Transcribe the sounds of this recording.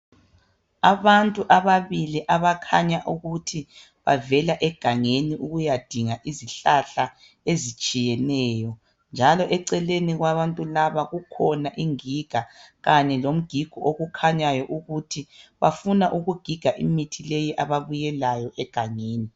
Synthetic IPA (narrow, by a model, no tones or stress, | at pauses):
aβantʼuʔaβaβiliʔaβakʰaɲaʔuɣutʰi | βa̰vɛlaʔɛɡ̥ʱaŋeniʔuɣujad̥ʱiŋaʔiziɬaɬa | ezit͡ʃʼijɛnɛːjɔ | nd͡ʒʱalɔʔɛǀɛleniɣwaβantʼulaβaɣukʰɔnaʔiŋiɡ̥ʱaɣaɲɛlom̩ɡ̥ʱiɡ̥ʱɔʔoɣukʰaɲajɔʔuɣutʰiβa̰funaʔuɣuɡ̥ʱiɡ̥ʱaʔḭmitʰilejiʔaβaβujɛlajɔʔɛɡ̥ʱaŋeːni